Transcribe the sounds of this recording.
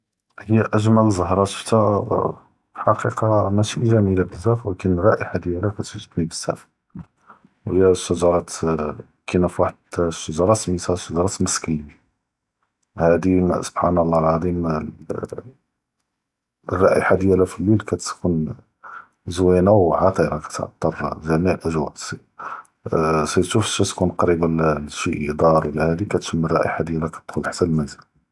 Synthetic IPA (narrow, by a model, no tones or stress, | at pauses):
həjːæʔæʒmælzˤəhɾˤɑʃə̥ft̪æ | ħɑqiqɑmæʃiʒæmilæbəzæfwækənrˤɑʔəħad̪jælækæt̪wəʒːəd̪nibəzːæ̰f | whəjːæʃːəʒɑɾˤɑt̪ | kinæfwaħəd̪ʃːəʒɑɾˤɑsmisæʃəʒɑɾˤɑt̪məskija | hæd̪iso̥bħanəlːælʕɑd̪ˤim | rˤːɑʔəħad̪jælæfilwilkæt̪kun | zwænawʕɑt̪ˤiɾɑkæ̥t̪ʕ̰t̪ˤːɑɾˤzænilʔəʒwæ̰ʔsi | sit̪ʃufʃæt̪kunqɑɾibælʃiʔid̪ˤɑɾˤwəlːæhæd̪ikæt̪ʃəmːərˤːɑʔə̰ħad̪jælækæt̪t̪xʊd̪ħsæblmænzəl